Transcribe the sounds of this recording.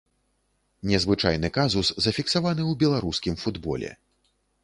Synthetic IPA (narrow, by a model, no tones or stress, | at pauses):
nʲɛzvɨt͡ʂa̰jn̪ɨkazuszɐfʲiksavanɨwbʲɛlˠaɾuskʲimfud̪bɔ̰lʲɛ̰